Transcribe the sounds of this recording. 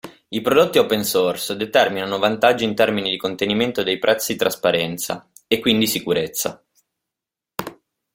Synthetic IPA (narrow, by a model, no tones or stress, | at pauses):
ipɾod̪ot̪ːiopensorsd̪et̪ɛrminanovant̪ad͡ʒːint̪ɛrminid̪ikont̪eniment̪od̪ejpɾʔɛt̪sːid̪it̪ɾaspaɾɛnt̪sa̰ | ekːwind̪isikuɾet̪sːa̰